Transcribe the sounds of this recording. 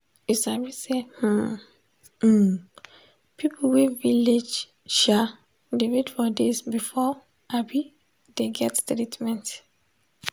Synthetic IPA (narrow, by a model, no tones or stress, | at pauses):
isabiseh̩ | pʰipʰowiviled͡ʒ | ʃa | devidfɔdesbifɔ | ʔabi | d̥eɡɛttɾitmɛ̃nt